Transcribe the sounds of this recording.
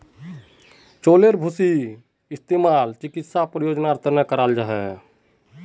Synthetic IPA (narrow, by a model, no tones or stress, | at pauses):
t͡ʃoːleɾbʱʊsi | ɪst̪eːmaːlt͡ʃɪkɪt̪sapɾəjoːd͡ʒnaɾt̪əɾnəkəɾaːld͡ʒaɦɛ